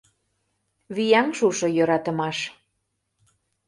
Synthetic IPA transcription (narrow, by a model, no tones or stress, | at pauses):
βijæŋʃuʃɤ̆jøɾɑt̪ə̆mɑʃ